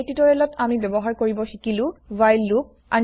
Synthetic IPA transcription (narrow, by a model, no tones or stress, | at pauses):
titɔɹɛlɔtamibɔbɔɦaɹkoɹibɔxikilʊ̃vajlːuk̚ | a̰n